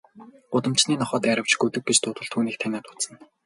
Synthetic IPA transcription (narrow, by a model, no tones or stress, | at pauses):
ʊt̪ə̆m̥t͡ɕniːnɔχɔːt̪æɾə̆w̥t͡ɕɡut̪ɘ̆k̚ɡet͡ɕt̪ʰʊːt̪ə̆ɮt̪ʰuːniːk̚t̪ʰænʲaːt̪ʊ̥t̪sə̆n